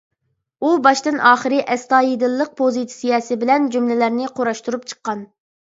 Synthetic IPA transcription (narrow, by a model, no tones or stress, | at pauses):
ubɑʃt̪ɨnʔɑːχəɾɨʔɛst̪ɑːjid̪ɨlˠːəq̚pʰozit̪sijɛsɪbɪlɛnd͡ʒumlɪlæɾnɪqʰoɾɑʃt̪uɾup̚t͡ʃʰə̥qːɑn